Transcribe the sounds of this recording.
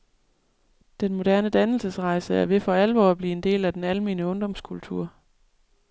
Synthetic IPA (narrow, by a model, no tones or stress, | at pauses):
d̥enmo̝d̥æɐnəd̥ænl̩səsʁɑ̈ɪsəæɐʋe̝fɒ̽ælʋɒ̰ːæb̥lḭːe̝nd̥e̝̰ːlæd̥enælme̝ːnəɔ̽ŋd̥ɒ̽mskʰult͡sʰṵɐ̰